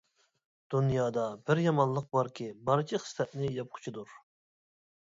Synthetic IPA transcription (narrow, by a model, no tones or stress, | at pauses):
d̪̥unjɑːd̪ɑbɪɾjɑmɑnlˠəq̚bɑɾkʲibɑɾt͡ʃʰiχə̥st̪ɛt̪̚nɪjɑp̚qʰʊ̥t͡ʃʰid̪uɾ